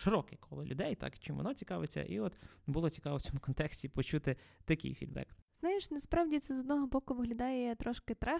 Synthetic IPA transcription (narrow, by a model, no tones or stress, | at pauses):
ʃɪɾɔkɪkʰɔlˠɪlʲʔʊd̪ɛjt̪ɑ̰kt͡ʃɪmʋɔ̰nɔt͡sʲikɑʋet͡sʲːɐ̰ʔḭɔt̪bulˠɔt͡sʲi̥kɑʋɔwt͡sʲɔmʊkɔnt̪ɛksʲtʲipɔt͡ʃut̪ɪt̪ɐkʲɪ̰jfʲḭd̪̚bɛ̰kz̥najɪʃnɐspɾɑwdʲit̪sɛzɔd̪nɔɦɔbɔkʊʋɪɦlʲɐd̪ɑjɛt̪ɾɔʃkɪt̪ɾa